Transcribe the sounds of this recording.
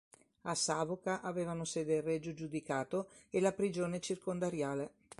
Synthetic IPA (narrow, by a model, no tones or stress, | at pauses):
asaːvokaʔaveːvanosɛːd̪erːɛd͡ʒod͡ʒud̪ikaːt̪oelapɾid͡ʒoːnet͡ʃirkond̪aɾjaːle